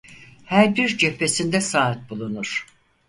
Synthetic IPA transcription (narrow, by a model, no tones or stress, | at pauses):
hæɾbiɾd͡ʒepʰːesind̪ɛsaːt̪̚bulˠunuɾ̥